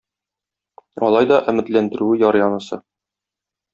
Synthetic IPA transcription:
ɒ̰lˠɑjd̪ɒʔɘ̆mɘ̆t̪lænd̪ɘ̆ɾʉɘjɒɾjɒnɤ̆sɤ

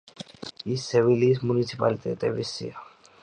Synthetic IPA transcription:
iseʋilismunisipa̰lt̪ḛt̪ḛʋisḭa

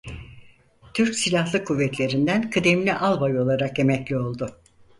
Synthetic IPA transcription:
t̪ʰyɾcsilʲahlˠɯkʰuvːɛt̪lʲe̞ɾind̪ænkʰɯd̪emlʲiʔalˠbajo̞lˠaɾake̞mɛclʲio̞lˠd̪ʊ

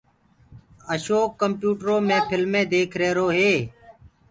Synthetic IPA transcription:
əʃoːkːəmpjuːʈɾoːmẽːpʰɪlmẽːd̪eːkʰɾeːɾoːɦeː

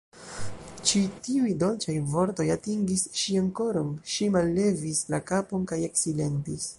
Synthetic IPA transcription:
t͡ʃitiujdo̞lt͡ʃajvo̞ɾto̞jatiŋɡisʃiaŋko̞ɾomʃimalːe̞vislakapo̞nkaje̞ksile̞ntis

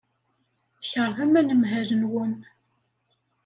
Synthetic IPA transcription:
θçəɾˤðæmænəmɦæɾənwən

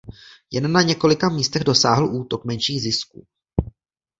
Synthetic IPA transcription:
jɛnːaɲɛko̞lɪkamiːst̪ɛɣdo̞saːɦl̩ʔuːt̪o̞kmɛnʃiːɣzɪskṵː

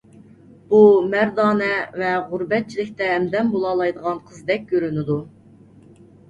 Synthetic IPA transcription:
b̥umæɾd̪ɑːnɛvɛʁʊɾbɛt̪̚t͡ʃʰilɪk̚ʲt̪ɛːmd̪ɛmbolˠɑlˠɑjd̪əʁɑnqʰəzd̪ɛk̚ʲɡʲøɾynɪd̪u

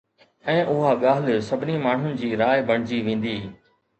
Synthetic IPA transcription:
ɛ̃ːʔʊɦaɠaːlsɐbʱɪnimaːɳ̤ʊnɪ̆d͡ʑiːɾaːjɪbɐɽ̤̃ɪd͡ʑiʋẽːn̆d̪iː

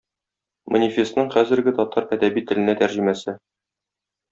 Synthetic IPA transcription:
monʲifʲe̞st̪nɤɴχæzɘ̆ɾɡɘt̪ɒt̪ɑɾæd̪æbit̪ɘ̆lɘ̆næt̪æɾʑɘ̆mæsɘ

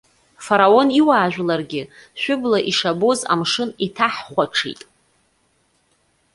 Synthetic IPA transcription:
faɾao̞niwaːʒᶣʷlarɡʲɪʃʷᶣʊblaʔiʂaboza̰mʂɨnitʰaħχʷaʈ͡ʂʰḭtʼ

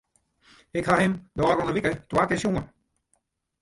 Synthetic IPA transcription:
ɪkhahɪmdɔːɾɔnəʋikətwaːkɪsjuən

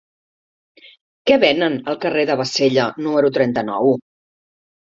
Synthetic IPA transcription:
kɛβɛnənəlˠkəreðəβ̞əseʎənuməɾut̪ɾɛnt̪ənɔw

